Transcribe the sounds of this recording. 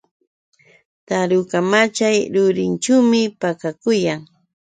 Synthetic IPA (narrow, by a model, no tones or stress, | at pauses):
t̪aɾʊkamat͡ʃajɾʊɾɪnt͡ʃawmɪpakakʊjaŋ